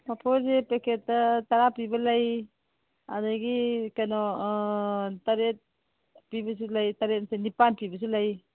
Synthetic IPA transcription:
mapʰɔɾzepekʰet̚ːataɾapibɐlaj | a̰daɡikajnɔ | taɾet̚ | pibɐs̬ilajtaɾet̚nsenipanpibɐs̬ilaj

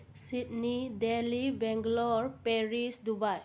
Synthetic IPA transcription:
sit̚nidelibɛŋɡlɔɹpɛɹisdubaj

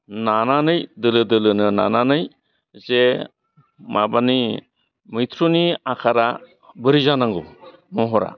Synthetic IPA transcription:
nananɯjdɯlɯdɯlɯnɯna̰nanɯj | ze | mabani | mɯt̪ʰɾuniakʰaɾa | bɯɾizanaŋɡɔ | mɔɦɔɾa̰

